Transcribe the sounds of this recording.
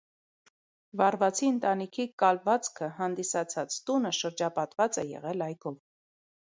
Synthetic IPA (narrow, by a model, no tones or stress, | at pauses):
vɑrvɑt͡sʰiənt̪ɑnikʰikɑlvɑt͡skʰəɦɑnd̪isɑt͡sʰɑt͡st̪unəʃəɾd͡ʒɑpɑt̪vɑt͡sɛjɛ̰ʁɛlɑjkʰɔv